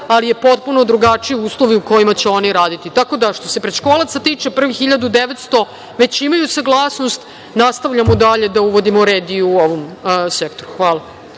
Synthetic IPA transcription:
alije̞po̞t̪̚puno̞d̪ɾuɡat͡ʂiiuːslˠo̞ʋiuko̞jimat͡ɕeo̞niɾaːd̪it̪it̪ako̞d̪aʃt̪o̞se̞pɾed̪ʃkoːlˠat̪sat̪iːt͡ʂepr̩ʋixiʎad̪ud̪eʋet̪st̪o̞ | ʋe̞t͡ɕimajusaɡlˠaːsnost̪ | nast̪aʋʎamod̪aʎe̞d̪auʋo̞d̪imoɾeːd̪iuoʋomsekt̪oɾuxʋaːlˠa

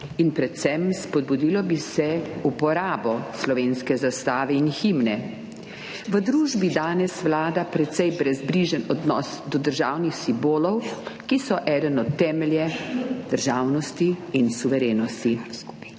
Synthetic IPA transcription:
inpɾɛt̪sɛmspɔd̪̚bud̪ilɔbisɛupɔɾaːbɔslɔʋeːnskɛzast̪aːʋɛinximnɛ | ʋəd̪ɾuːʒbid̪aːnɛsʋlaːd̪apɾɛt̪sɛjbɾɛzbliʒənɔd̪nɔsd̪ɔd̪əɾʒaːwnixsimboːlɔwkisɔʔɛːd̪ənɔt̪ːɛːmɛljɛd̪̥əɾʒaːwnɔst̪iːnsuʋɛɾeːnɔst̪i

